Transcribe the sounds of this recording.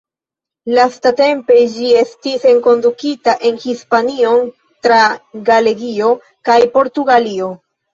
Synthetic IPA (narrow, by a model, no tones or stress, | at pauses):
lastate̞mpe̞d͡ʒie̞stise̞ŋko̞ndukitaʔe̞nhispanio̞n | tɾaɡale̞ɡio̞ | kajpo̞ɾtuɡalio̞